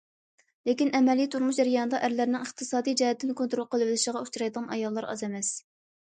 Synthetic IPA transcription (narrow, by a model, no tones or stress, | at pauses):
lekʲinɛmɛlijt̪ʰuɾmuʃd͡ʒɛɾjɑːnɨd̪ɑʔæɾlæɾnɪŋəχt̪ʰɨsɑːd̪ijd͡ʒɛhɛt̪ʰːɪnkʰont̪ɾolˠqʰəlˠɨvɪlɪʃəʁɑut͡ʃʰuɾɑjd̪əʁɑnɑ̰jɑlˠːɑɾɑ̰zɛmɛs